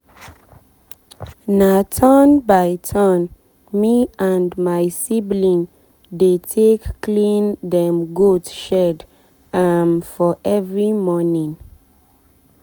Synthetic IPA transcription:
natʰɔnbajtʰɔn | miãndmajsiblĩn | detʰekːlĩndɛ̃mɡotʃɛd | anfɔʔɛvɹimɔnĩŋ

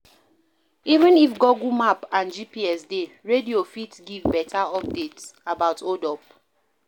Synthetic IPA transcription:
ivə̃nifɡɔɡumapãnd͡ʒipiɛsdeɹediofitɡivbɛtʰaɔp̚detsabaʊtodɔp̚

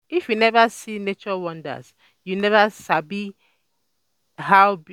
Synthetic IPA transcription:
ifjunɛvasinet͡ʃɔwɔ̃nda̰s | junɛvasabi | haʊ

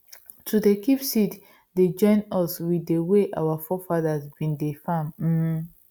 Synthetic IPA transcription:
tʰudekipsit | ded͡ʒɔ̃ɪ̃nɔswieweʔa̰wafɔfadazbĩndefãmm̩

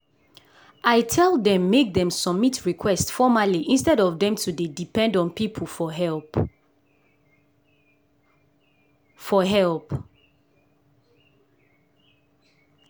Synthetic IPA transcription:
ʔaɪtʰɛlˠdɛ̃mːek̚dɛ̃msɔb̚mitʰɹikʰwɛstfɔmaliʔĩnstɛɾɔvdɛ̃mtʰudedipɛ̃ndɔ̃npipʰəl̩ˠfɔɦɛlˠp | fɔɦɛlp

